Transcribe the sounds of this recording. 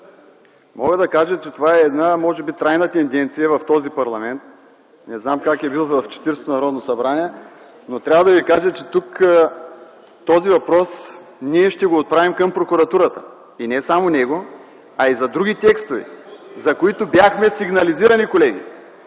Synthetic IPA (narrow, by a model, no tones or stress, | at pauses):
mɔɡəd̪ɐkaʒət͡ʃɛt̪ovaɛːd̪namɔʒɛbit̪ɾajnət̪ɛnd̪ɛnt̪sijəvɐft̪ɔzipɐɾlˠɐmɛnt̪̚ | nɛznamkakɛbilˠvɐft͡ʃɛ̥t̪iɾst̪onɐɾɔd̪nosɐbɾaniɛ | not̪ɾʲavəd̪ɐvikaʒət͡ʃɛt̪uk | t̪ɔzivɐpɾɔs | niɛʃt̪ɛɡoːt̪̚pɾavimkɐmpɾokʊɾɐt̪uɾət̪ə̥ | inɛsamonɛɡo | ɐizɐd̪ɾuɡʲit̪ɛkst̪ovɛ̰zɐkoit̪objaxmɛsiɡnɐliziɾɐnikolɛɡ̟ḭ